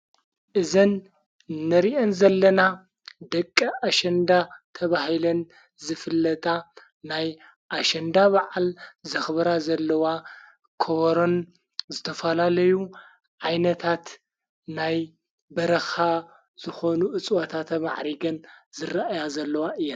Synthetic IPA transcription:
ʔɨzɨn | nːɐɾiʔenzɐlːɐna | d̪ɐkʼːɐʔaʃɐnd̪at̪ʰɐβahilɐn | zɨfɨlːɐt̪ʼa | naj | ʔaʃɐnd̪aβaʕalzɐxβɾazɐlːɐwa | kʰoβɐɾon | zɨt̪ʰɐfɐlalɐju | ʕajnɐt̪ʰat̪ | naj | bɐɾɐxa | z̥ɨxo̞nuʔɨt͡sʼwat̪ʰat̪ʰma̰ʕɾiɡɐnzɨraʔajazɐlːɐwaʔɨjːa

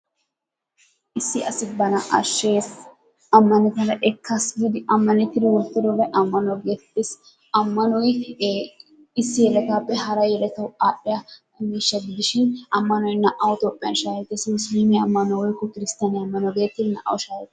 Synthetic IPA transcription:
ʔɪsːɪʔɐsɪbɐnɐʔɐʃːeːs | ɐmːɐnɛkɐlɐʔɛkʰːɐsɡiːd̪ɪɐmːɐnɛt̪ːɪd̪ɪwɔlt̪ːɪd̪ɔʋɛʔɐmːɐnɔɡeːt̪ːɪs | ɐmːɐnɔj | ɪsːɪjɛɾɛk̪aːpːɛhɐɾɐjɛɾɛt̪ɐwʔaːɗɪjɐkʊmiːʃːɐɡɪd̪ɪʃɪnʔɐmːɐnɔjnɐʔɐwɔt̪oːpʼːɪjɐ̰nʃaːjɛt̪ːɛsmʊsliːmɛɐmːɐnɔwɔjkːɔkɪɾɪst̪aːnɛɐmːɐnɔɡe̞ːt̪ːɪd̪nɐ̰ʔɐ̰wɔʃaːjɛt̪ː

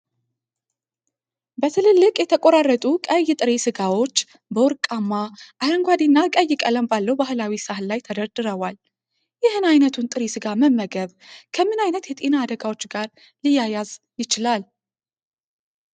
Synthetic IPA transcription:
bət̪ʰɨlɨlːɨkʼjɛt̪ʰəkʼoɾarːət̪ʼukʼəjːɪt̪ʼɨɾesɨɡawo̞t͡ʃː | bəwɔɾkʼamːaʔaləŋɡʷad̪enːakʼəjːɪkʼələmbalːəwbahɨlawisahlajt̪ʰəd̪əɾd̪ɨɾəwal | jɪhɨnajnət̪ʰunt̪ʼɨɾesɨɡaməmːəɡəβ | kʰəmɨnajnət̪jɛt̪ʼe̞naːd̪əɡawo̞t͡ʃːɡaɾ | lɨjajaz | jɪt͡ʃɪlal

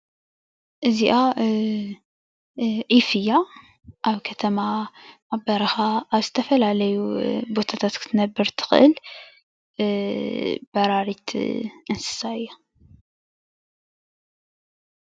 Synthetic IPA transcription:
ʔɨziʔa | ʕifɨjːa | ʔawkʰɐt̪ʰɐmaʔabɐɾˤɨxaʔːwzɨ̥t̪ʰɐfɐlalɐjubot̪ʰat̪ʰat̪kʰɨ̥t̪nɐbːɨɾt̪ʰɨ̥xʔɨ̰l | b̥ɑɾˤɑɾit̪ʔɨnsɨ̥saʔɨjːa

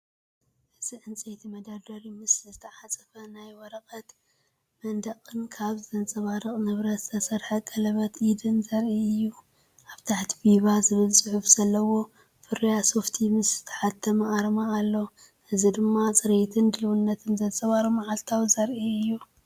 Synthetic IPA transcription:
ʔɨz̥iʕɨnt͡sʼejt̪ʰimɐd̪ɐd̪ɐɾimɨszɨt̪ʰɐʕat͡sʼɐfɐnajwɔɾɐqʼɐt̪ | mɐnd̪ɐqʼɨnkʰaβzɨt̪ʰɐnt͡sʼɐβaɾɨqʼnɨβɾɐt̪zɨt̪ʰɐsɐɾħɐkʼɐlɐβɐt̪ʔid̪ɨnzɐɾiɨjːu | ʔaβt̪ʰaħt̪ʰi̥biβazɨβɨlsʼɨħufz̥ɐlːɐwo̞ | fɨɾɐjaso̞ft̪ʰimɨsz̥ɨt̪ʰɐ̥ħat̪ʰːɐmɐaɾmaːlːo | ʔɨzid̪ɨmːat͡sʼɨɾet̪ʰɨnd̪ɨlɨwunːɐt̪ʰɨnzɐnt͡sʼɐβaɾɨmaʕalt̪ʰawzɐɾʔiɨjːu

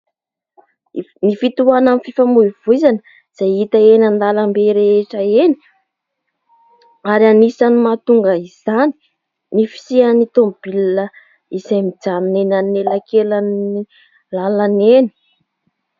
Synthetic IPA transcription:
nifit̪uanamfifamuiv̥uizanə | z̥ajit̪əenand̪alambeɾeeʈ͡ʂaeni̥ | aɾianisanimat̪uŋɡəiz̥ani̥ | nifi̥sianit̪omb̥ilnə | izamid͡zannenanelakelani | lalaneni̥

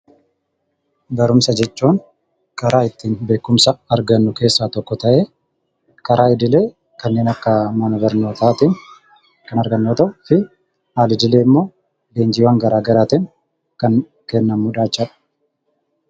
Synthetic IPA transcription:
bɐɾʊmsɐd͡ʒɛt͡ʃʼːuːn | kʼɐɾʔaːɪt̪ːiːnbe̞ːkːʊmsɐɐɾɡɐnːʊke̞ːsːaːt̪ɔkːɔt̪ɐʔe̞ː | kʼɐɾʔaːɪd̪ɪle̞ː | kɐnːe̞ːnɐkːɐmɐnɐbɐɾnoːt̪aːt̪in | kɐnɐɾɡɐnːoːt̪ɐʊfɪ | haːlɪd̪ɪle̞ːɪmːo̞ː | d̪e̞ːnd͡ʒɪwaːŋɡɐɾaːɡɐɾaːt̪ɪn | kɐn | kɛnːɐmːʊᶑaːt͡ʃːɐᶑɐ̥

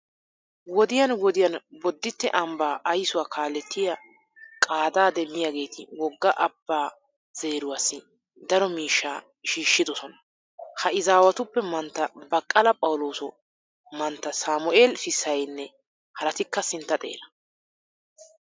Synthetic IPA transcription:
wɔd̪ɪjɐnwɔd̪ɪjɐnbɔd̪ːɪt̪ːɛ̰ʔɐmbaːʔɐjsʊwaːkʰaːlːɛt̪ːɪjɐ | kʼaːd̪aːd̪ɛmːɪjaːɡe̞ːt̪ʰɪwɔɡːɐʔɐbːaː | z̥e̞ːɾʊwaːsːɪ | d̪ɐɾɔmiːʃːaː | ʃiːʃːɪd̪ɔsɔnɐ̥ | hɐʔɪzaːwɐt̪ʊpːɛmɐnt̪ːɐbɐkʼːɐlɐpʼɐwʊlo̞ːsʊ | mɐnt̪ːɐsaːmʊʔeːlfɪsːɐjnːɛ | hɐɾɐt̪ɪkːɐsɪnt̪ːɐt̪ʼe̞̰ːlɐ

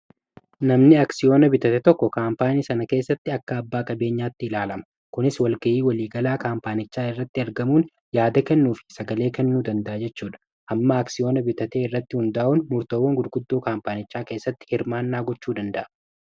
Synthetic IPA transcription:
nɐmnɪɐksɪjo̞ːnɐbɪt̪ɐt̪ɛt̪ɔkːɔkaːmpaːniːsɐnɐke̞ːsːɐt̪ːɪɐkːɐːbːaːkʼɐbe̞ːɲːaːt̪ːɪɪlaːlɐmɐ̥ | kʊnɪswɐlɡɐʔiːwɐliːɡɐlaːkaːmpaːnɪt͡ʃːaːɪrːɐt̪ːɪɐɾɡɐmuːn | jaːd̪ɐkɛnːuːfɪ̥sɐɡɐle̞ːkɛnːuːd̪ɐnd̪ɐʔɐd͡ʒɛt͡ʃːuːᶑɐ̥ | ʔɐmːaːɐksɪjo̞ːnɐbɪt̪ɐt̪eːɪrːɐt̪ːɪhʊnd̪ɐʔunmʊɾt̪ɐwoːŋɡʊd̪ɡʊd̪ːo̞ːkaːmpaːnɪt͡ʃːaːke̞ːsːɐt̪ːɪ̥hɪɾmaːnːaːɡɔt͡ʃːuːd̪ɐnd̪ɐʔɐ

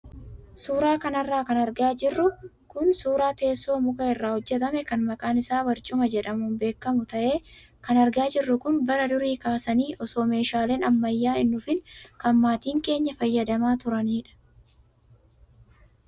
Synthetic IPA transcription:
suːɾaːkɐnɐrːaːkɐnɐɾɡaːd͡ʒɪrːʊ | kʊnsuːɾaːt̪e̞ːsːo̞ːmʊkɐɪrːaːhɔd͡ʒːɛt̪̬ɐmɛkɐnmɐkʼaːnɪsaːwɐɾt͡ʃʼʊmɐd͡ʒɛᶑɐmʊnbe̞ːkːɐmʊt̪ɐʔe̞ː | kɐnɐɾɡaːd͡ʒɪrːʊkʊnbɐɾɐd̪ʊɾiːkaːsɐniːʔɔso̞ːme̞ːʃaːleːnɐmːɐjːaːɪnːʊfɪnkɐmːaːt̪iːŋke̞ːɲːɐfɐjːɐd̪ɐmaːt̪ʊɾɐniːᶑɐ̥

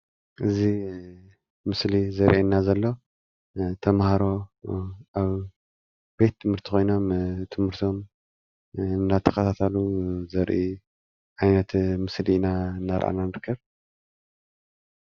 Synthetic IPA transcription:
ʔɨzi | mɨslizɐɾʔenːazɐlːo̞ | t̪ʰɐmhaɾo̞ | ʔaβ | b̥e̞t̪ʰːɨmhɨɾt̪ʰixʰo̞jno̞mt̪ʰɨmhɨɾt̪ʰo̞m | nːat̪ʰɐxɐt̪ʰat̪ʰaluzɐɾʔi | ʔajnɐt̪mɨslinaɨnːaɾʔa̰nanɨɾkʰːɐβ

